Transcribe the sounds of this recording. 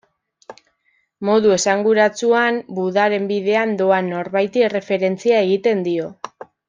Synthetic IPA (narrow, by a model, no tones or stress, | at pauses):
mo̞ðue̞saŋɡuɾat͡suanbuðaɾe̞mbiðe̞and̪o̞anːo̞ɾβajt̪ie̞re̞fe̞ɾe̞nt͡siae̞ɣ̞it̪e̞nd̪io̞